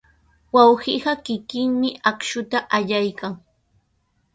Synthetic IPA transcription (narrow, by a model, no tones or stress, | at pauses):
wawɢiɢɑkɪkɪŋmɪʔakʃʊt̪aʔaʎajkaŋ